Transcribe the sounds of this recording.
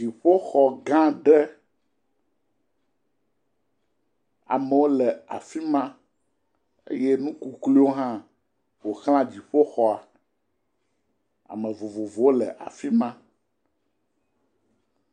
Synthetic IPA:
i˨ɸo˦xɔ˨ɡã˦ɖɛ˦ | a̰˨mə˨wo˦lɛ˨a̰˨fi˦mã˦ | ḛ˦je˦nũ˦ku˦klu˦wo˦ɦã˦ | wo˨xl̃ã˦d͡ʑi˨ɸo˦xɔ˦a˨ | a̰˨mə̃˨vo˨vo˨vo˨wo˦lɛ̰˨ʔa̰˨fi˦mã˦

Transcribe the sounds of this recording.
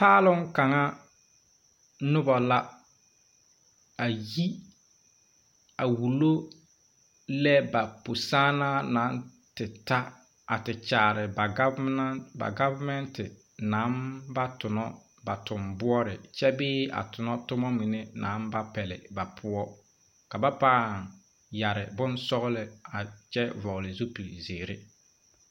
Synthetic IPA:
paː˦lʊ˦ŋka˨ŋa˦ | nʊ˦bɔ˨la˦ | a˨ji˦ | a˨wu˨lo˦ | lɛ˦ba˨po˨saː˦na˦na˨˦n | tɪ˨ta˦ | a̰˨tɪ˨t͡ʃaː˨ɾɪ˨ba˨˦ba̰˨ɡa˦va˦mɛ˦ntɪ˨ | na˨˦mba˦tʊ˨nɔ˦ | ba˨tʊ˨mbʊ˦ɔ˦ɾɪ˨t͡ʃɛ˦bɪː˦a̰˨tʊ˨nɔ˦tʊ˦mɔ˦mi˨ne˦nã˨˦mba˦pɛ˨lɪ̰˨ba˨pʰʊ˦ɔ˦ | ka˨ba˦paː˦˨ŋ | ja˨ɾɪ˨bʊ˦nsɔ˦ɣlɪ˨a˨t͡ʃɛ˦vɔ˨ɣlɪ˨zu˦pi˨zeː˨ɾɪ˦

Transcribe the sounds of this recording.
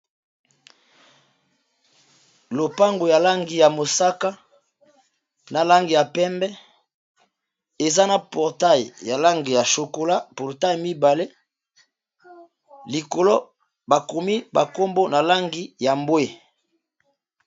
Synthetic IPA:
lo˨pa˦ŋɡo˨ja˨la˦ŋɡi˨ja˨mo˨sa˦ka˦ | na˨la˦ŋɡi˨ja˨pɛ˦mbɛ˦ | e˨za˦na˨pɔ˨ʁta˦˨jja˨la˦ŋɡi˨ja˨ʃo˨ko˨la˦pɔ˨ʁta˦jmi˦ba˨le˦ | li˨ko˨lo˦ | ba˨ko˨mi˦ba˨ko˦mbo˦na˨la˦ŋɡi˦ja˨mbwe˦˨

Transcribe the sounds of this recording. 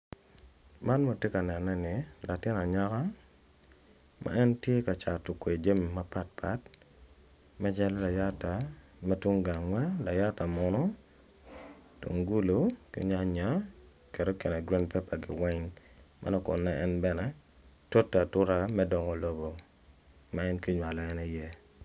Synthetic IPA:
ma˦nma˦te˦ka˨nɛ˨nːɛ˦nɪ˨la˨tɪ˦na˨ɲa˦ka˦ | mʔa̰˦ɛ˦ntje˦ka˨t͡ʃa˨to˨kwe˨d͡ʒa˦mi˨ma˦pa˦t̚pʰa˦t | mɛ˦d͡ʒɛ˦lɔ˦la˨ja˦ta˨ | mɛ˦tu˦ŋɡa˨ŋwa˦la˨ja˦ta˨mɔ˦nɔ˦ | to̰˨ŋɡu˦lo˦kḭ˦ɲa˦ɲa˨˦ | kɛ˨ɾo˦ke˨nɛ˨ɡɾa˦ndpɛ˦pa˨ɡɪ̰˨wɛ˦ŋ | mʔa̰˦nɔ˦kʊ̰˨nːɛ˦ɛ˦nbɛ˦nɛ˨ | to˦tːa˨tʊ˦ɾa˦mɛ˦dɔ˨ŋɔ˨lo˦bo˨ | ma˦ɛ˦nki˦ɲwa˨lɔ˨ɛ˦ni˦je˦

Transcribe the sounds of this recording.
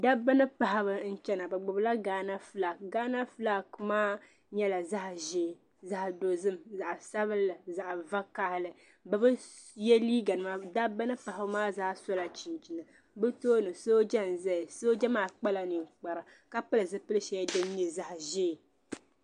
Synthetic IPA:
da˦bɨ˦nɨ˦pa˨ha˦bɨ˨n̩˦t͡ʃɛ˦na˨bɨ˨ɡ͡bʊ˨bla˦ɡaː˦na˦fla˨kɡaː˦na˦fla˦kmaː˦ | ɲɛ˦la˨za˦hʒeː˦˨ | za˦hdo˨zɨ˦mza˨ʔsa˦βɨ˦lːɨ˨za˨ʔva˦ka˦˨hɪ˨lɨ˨ | bbɨ˦ | jɛ˦liː˦ɡa˨nɨ˦ma˦da˦bɨ˦nɨ˦pa˨ha˨bɨ˦maː˦zaː˦sɔ˦la˨t͡ʃi˨nt͡ʃi˨nɨ˨ | bɨ˦toː˦nɨ˨soː˦d͡ʒɛ˦n˨zɛ˦˨so˦d͡ʒɛ˦maː˦k͡pa˦la˨nɨ˨ŋ˨k͡pa˨ɾɨ˨ | ka˦pɨ˦lɨ˨zɨ˦pɨ˦lɨ˦ʃɛ˦jɛ˦dɨ˦m˦ɲi˦za˦hʒe˦˨

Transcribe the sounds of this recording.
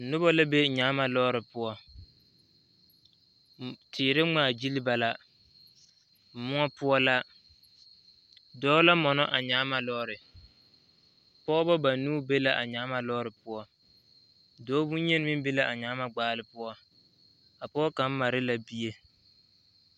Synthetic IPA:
nʊ˦bɔ˦la˦be˦ɲaː˨˦ma˨lɔː˦ɾɪ˨pʊ˦ɔ˦ | tʰɪː˨ɾɪ˦ŋ͡maː˨d͡ʒi˦lɪ˦ba˨la˦˨ | mʊ˦ŋɔ˦pʊ˦ɔ˦la˦ | dɔː˦la˦mɔ˨nɔ˦ʔa˨ɲaː˨˦ma˨lɔː˦ɾɪ˨ | pɔː˦bɔ˦ba˨nuː˦be˦la˦ʔa˨ɲaː˨˦ma˨lɔː˦ɾɪ˨pʊ˦ɔ˦ | dɔː˨˦bu˦ɲɛ˦n˦mɪ˦m˦bi˦la˦ʔa˨ɲaː˦ma˦ɡ͡baː˦˨lɪ˨pʊ˦ɔ˦ | a˨pɔː˦ka˨˦m̩˦ma˨ɾɪ˦la˨bi˦e˦

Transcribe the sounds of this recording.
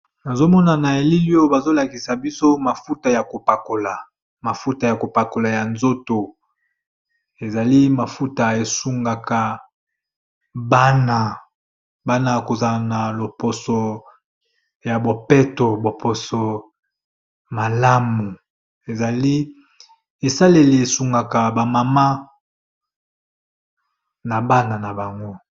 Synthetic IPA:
na˨zo˦mɔ˦na˨na˨e˨li˦li˦o˦ba˨zo˦la˨ki˨sa˨bi˦so˦ma˨fu˦ta˨ja˨ko˨pa˨ko˨la˨ | ma˨fu˦ta˨ja˨ko˨pa˨ko˨la˨ja˨nzo˦to˨ | e˨za˨li˦ma˨fu˦ta˨e˨su˦ŋɡa˨ka˨ | ba˦na˦˨ | ba˦na˦˨ko˨za˨na˨lo˨po˨so˨ | ja˨bo˨pe˦to˨bo˨po˨so˨ | ma˨la˦mu˨ | e˨za˨li˦ | e˨sa˦le˨li˨e˨su˨ŋɡa˨ka˨ba˨ma˨ma˦ | na˨ba˦na˨na˨ba˨ŋɡo˦

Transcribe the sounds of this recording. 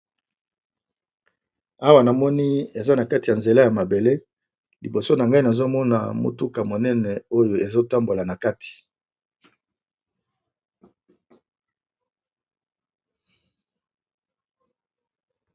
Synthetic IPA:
a˦wa˨na˨mɔ˦ni˦e˨za˦na˨ka˦ti˨ja˨nze˨la˦ja˨ma˨be˨le˦ | li˨bo˨so˦na˨ŋɡa˦i˦na˨zo˦mɔ˦na̰˨mo̰˨tu˦ka˨mo˨nɛ˦nɛ˨o˦jo˨e˨zo˦ta˦mbo˨la˨na˨ka˦ti̥˨

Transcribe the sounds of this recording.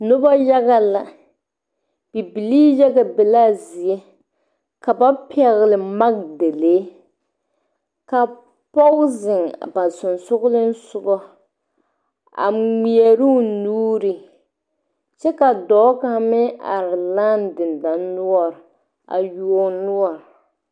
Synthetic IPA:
nʊ˦ba˦ja˦ɣa˦la˨ | b̥i˨bi˨liː˦jɛ˦ɡa˨bɛ˨la˦˨zi˨e˦ | ka˨ba˦pɛ˨ɣɪ˨lɪ˨ma˦k̚de˨leː˦ | ka˨ | pɔ˦zɪ˨ŋba˨n˨sʊ˨nsʊ˦ɣʊ˦lɪ˦n̩˦sʊ˨ɡɔ˦ | a̰˨ŋ͡mi˨ɛ˨ɾu˦˨nuː˦ɾɪ˨ | t͡ʃɛ˦ka˨dɔː˨˦ka˦mɪ˦a̰˨ɾɪ˨la˦˨ndɪ˨nda˨nː˦ʊ˦ɔ˦˨ɾ | a̰˨ju˦ɔ˦nʊ˦ɔ˨ɾ

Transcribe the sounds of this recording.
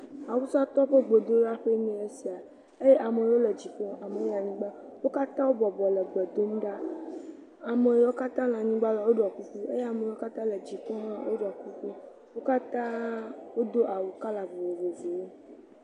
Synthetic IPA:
a˨wu˦sa˦t̪ɔ˦ɸe˦ɡ͡bo˨d̪o˦a˦ɸe˦nɛ̃˨e˦si˨a˨ | e˦je˦ʔa˨mẽ˨˦wo˦le˨d͡ʑi˨k͡pɔ˦a˨me˨˦a˨ɲĩ˦ɡ͡ba˦wo˦ka˦t̪ã˦wo˦bɔ˨bɔ˨le˨ɡ͡bɛ˨d̪o˦m˦ɖa˦ | a˨me˨jwo˦ka˦t̪ã˦nã˨ɲĩ˦ɡ͡ba˦la˨wo˦ɖɔ˨ku˦ɸu˦ḛ˦je˦a˨mẽ˨˦wo˦ka˦t̪ã˦le˨d͡ʑi˨k͡pɔ˦nã˦wʔo˦ɖɔ˨ku˦ku˦ | wo˦ka˦t̪ã˦wo˦d̪o˦ʔa˨wu˦ka˦la˨ɡ͡be˨wve˨ve˨wo˦

